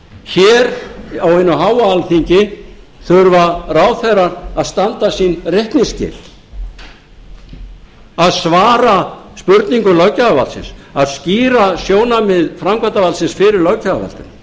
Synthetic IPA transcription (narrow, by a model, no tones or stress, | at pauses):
çɛːɾawenːʏɦaːwaalθiɲcɪ | θʏɾvaraːwθɛɾaɾaðst̪ant̪asinrehk̪niscɪ̰ːl̥ | aðsvaːɾaspʏɾt̪niŋkʏlœɥcaavalsɪ̰nsaðsciːɾasjoːwnamɪðfɾamkvant̪avalsɪnsfɪɾɪɾlœɥcaɣa̰va̰lt̪ʏ̰m